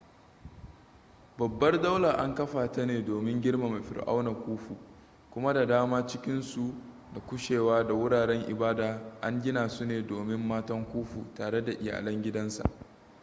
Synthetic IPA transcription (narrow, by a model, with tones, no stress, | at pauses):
bɐ˨bːɐ˦rda˦wla˨ʔa˦ŋkɐ˦ɸaː˨tɐ˦neː˨doː˨mɪ˦ŋɡʲɪ˦rma˨me˨ɸɪ̰˨rʔa̰˦wna˨kʷuː˦ɸuː˨ | kʷʊ˦ma˦da˨daː˦maː˦t͡ʃɪ˦kʲɪ˦nsu˨ | da˨kʷʊ˦ʃeː˨waː˦da˨wʊ˦ɽaː˨ɽɛ˦ŋʔɪ̰˨baː˦daː˨ʔa˦ŋɡʲɪ˦naː˨su˦neː˨doː˨mɪ˦mːaː˦tɐ˦ŋkʷuː˦ɸuː˨taː˨ɽe˦da˨ʔɪ˨ja̰ː˨lɐ˦ŋɡʲɪ˦dɐ˦nsa̰˨ʔ